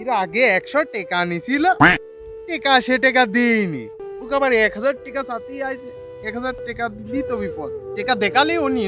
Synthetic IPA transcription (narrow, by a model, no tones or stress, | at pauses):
iɾaɡeɛkʃɔʈekanisilə | ʈekaɕeʈek̬ad̪inḭt̪ukabaɾekʰɦəd͡zaːɾ̚ʈekasat̪iajs | ekɦəd͡zaɾʈekad̪ilit̪oʋipɔt̪ʈekad̪ekaleoni